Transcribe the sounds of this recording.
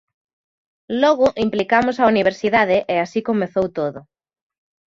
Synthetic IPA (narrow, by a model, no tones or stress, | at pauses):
lɔɣʊʔimplikamʊsauniβ̞eɾsiðaðɪʔeasikomeθowt̪oðʊ